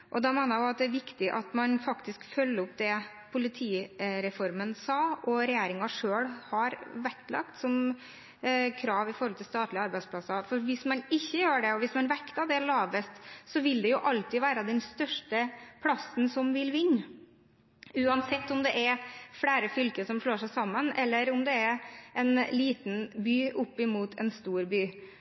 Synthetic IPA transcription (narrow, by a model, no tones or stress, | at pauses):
ʔɔd̪ɑmæɪnəʊɑt̪̚d̪ɛæʋɪkt̪ɪʔɑt̪mɑnfɑkt̪ɪskfœlːəʊpːd̪ɛ | pʰʊlɪt̪ʰiːɾɛfɔɾmənsɑːɔɾɛjeːɾɪŋɑʂøːɽhɑɾʋɛklɑ̰kt̪sɔm | kʰɾɑːʋɪfɔɾhɔlt̪ʰɪlst̪ɑːt̪lɪəɑɾbæɪsplɑsɑfɔɾʋɪsmɑnɪçːəjøːɖɛɔʋɪsmɑnʋɛkt̪ɑʋd̪ɛlɑːʋəst̪sɔʋɪld̪ɛjʊʔɑlt̪ɪʋæːɾəd̪ɛnst̪œʂʈəpʰlɑsn̩sɔmʋɪlʋɪnː | ʉːɑnsɛt̪ːɔmd̪ɛʔɛɾfɽæːɾəfʏlkəsɔmʂɭoːʂæɪsɑmːənɛlːəɾɔmd̪ɛɛʔɛnliːt̪nbyːʔʊpːɪmuːt̪ʰɛ̰nst̪uːɾbyː